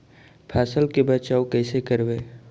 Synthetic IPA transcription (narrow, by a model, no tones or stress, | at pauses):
pʰɛːsəlkebət͡ʃaːokɛːsekəɾbeː